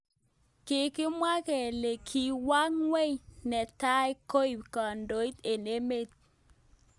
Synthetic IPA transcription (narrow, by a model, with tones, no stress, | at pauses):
kɪ˨kɪ˦mwa˦kɛ˨le˨kʰi˨wa˦ŋwe˦jnɛ˨ta˦jko˦i˨pkɔ˨ndo˨˦i˦t̪e˨ne˦me˦t̪̚